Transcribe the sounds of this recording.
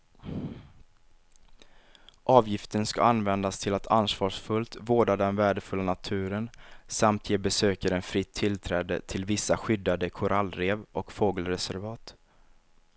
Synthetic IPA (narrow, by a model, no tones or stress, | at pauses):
ʔɑːvjɪft̪ənska̰anvɛnd̪ast̪ʰɪlat̪ʰansvɑːʂfɵlt̪voːɖad̪ɛnvæːɖəfɵlːanat̪ʰʉ̟ːɾənsamt̪ʰjeːbɛsøːkaɾɛnfɾɪt̪ʰːɪlt̪ʰɾɛːd̪ə̰t̪ʰɪlvɪsːaɧʏd̪ːad̪əkʰʊɾʔalːɾeːvɔkfoːɡəlɾɛsæɾvɑːt̪